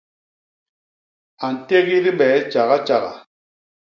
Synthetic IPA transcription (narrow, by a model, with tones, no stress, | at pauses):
a˨n̩˨te˦ɣi˦ɾi˦bɛ˨˦t͡ʃa˨ɣa˦t͡ʃa˨ɣa̰˨